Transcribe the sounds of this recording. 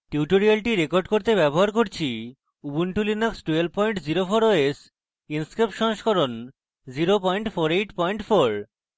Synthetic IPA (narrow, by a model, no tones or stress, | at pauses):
ʈiuʈoɾialʈiɾekoɾɖkoɾt̪ebɛboɦaɾkoɾt͡ɕʰi | ubunʈulinaksʈuel̚pɔjɳʈd͡ʑiɾofoɾoes | inskɾepʃɔŋʃkʰoɾon | d͡ʑiɾopɔjɳʈfoɾejʈpɔjɳʈfʰoɾ